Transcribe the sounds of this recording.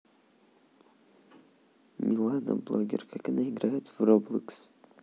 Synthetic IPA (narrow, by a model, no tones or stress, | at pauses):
mʲʔilˠanə̰blˠoɡʲɪ̰rkakanaɪɡɾajɪt̪vroblˠɨks